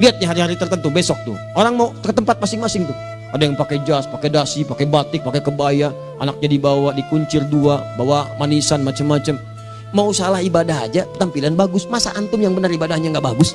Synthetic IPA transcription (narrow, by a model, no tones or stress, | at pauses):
liat̪̚ɲaɦaɾihaɾit̪ərt̪ənt̪ubesɔk̚t̪ʊ̰ | oɾaŋmaukət̪əmpat̪̚masɪŋmasɪŋt̪ʊh | adajaŋpakɛd͡ʒaspakedasipakɛbat̪ɪk̚pakɛkəbaja | ʔa̰nak̚ɲadibawadikuɲt͡ʃɪrduabawamanisanmat͡ʃamːat͡ʃam | mausalahibadaɦa̰d͡ʒapət̪ampilanbaɡʊsmasaʔant̪ʊnjaŋbənəribadaɦɲaŋɡaʔbaɡʊs